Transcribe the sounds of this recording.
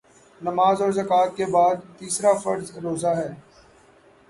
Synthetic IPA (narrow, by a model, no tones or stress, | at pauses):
nɐmaːzɔːɾzɐkaːt̪̚kebaːd̪̚t̪iːsɾafɐɾzɾoːzaɦɛː